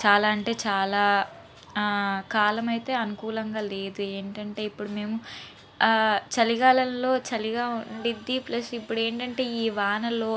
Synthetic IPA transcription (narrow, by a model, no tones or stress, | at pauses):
t͡ʃaːlaːɐɳʈe̞ːt͡ʃaːlaː | kaːlɐmɐjt̪e̞ːɐnukuːlɐŋɡaːle̞ːd̪ue̞ːɳʈɐɳʈe̞ːipːuɽume̞ːmu | t͡ʃɐliɡaːlɐmlo̞ːt͡ʃɐliɡaːunɐɽid̪ːiplɐsipːuɽue̞ːɳʈɐɳʈe̞ːiːʋaːnɐlo̞ː